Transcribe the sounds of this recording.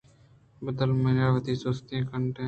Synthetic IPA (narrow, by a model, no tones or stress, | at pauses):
bəd̪əlmənaːʋəd̪iːsoːst̪ẽːkəɳʈẽː